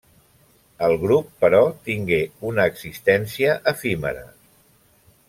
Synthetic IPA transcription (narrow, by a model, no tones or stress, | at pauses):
əlˠɣɾupːəɾɔt̪iŋɡeunəːksist̪ɛnsiəʔəfimə̰ɾə̰